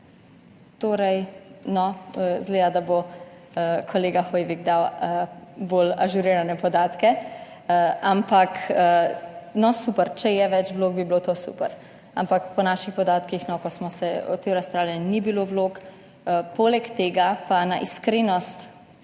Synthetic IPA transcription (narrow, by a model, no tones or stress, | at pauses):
t̪oːɾɐjnɔzleːd̪ad̪abo | kʰɔleːɡaxoːjʋiɡd̪aw | boːlaʒuɾiːɾanɛpɔd̪aːt̪kɛ | ampakənɔsupəɾt͡ʃɛjɛʋɛt͡ʃʋloːɡ̚biblot̪oːsṵːpəɾ | ampakpɔnaʃixpɔd̪aːt̪kixnɔkɔsmɔsɛɔ̰t̪emɾaspɾaːwlʲaninibiloʋloːkː | polɛkt̪eːɡapanaʔiskɾeːnɔst̪